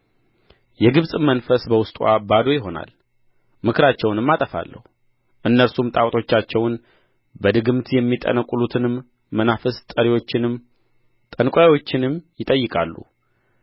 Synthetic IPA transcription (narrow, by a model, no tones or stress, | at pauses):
jɛɡɨβsʼmənfəsbəwʊst̪ʼwa̰bad̪o̞jɪɦo̞na̰l | mɨkʰɨɾat͡ʃːɛwnɨmːat̪ʼəfa̰lːə̰h | ʔɨnːəɾsumt̪ʼawʼt̪ʼo̞t͡ʃːat͡ʃːɛwn | bəd̪ɨɡɨmt̪jɛmːit̪ʼə̰nəkʼːulut̪ʰɨnɨmː | ənafəst̪ʼəɾiwo̞t͡ʃːɪnɨm | t̪ʼənkʷʼojawo̞t͡ʃːɪnɨmjɪt̪ʼəjːɨkʼalːṵ